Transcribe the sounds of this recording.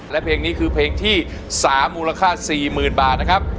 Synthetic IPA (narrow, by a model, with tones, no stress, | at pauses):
lɛ˦˥pʰeː˧ŋni˦˥kʰɯː˧pʰeː˧ŋt̪ʰiː˥˩ | saː˩˦mːuː˧la˧kʰaː˥˩siː˨˩mɯː˨˩nbaː˨˩t̪̚na˦˥kʰa˦˥p̚